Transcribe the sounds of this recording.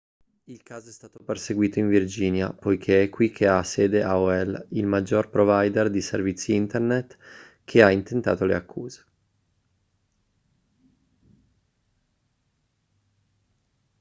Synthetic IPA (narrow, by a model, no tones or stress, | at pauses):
ilkaːzoɛst̪aːt̪operseɡwiːt̪oiɱvird͡ʒiːnja̰pojk̟ʰeɛkːwikʰːeasːeːd̪eʔaoɛlilmad͡ʒːorpɾovajd̪erd̪iservit̪sːiint̪ernet̪ː | k̟ʰeaint̪ent̪a̰ːt̪olḛakːuːze̥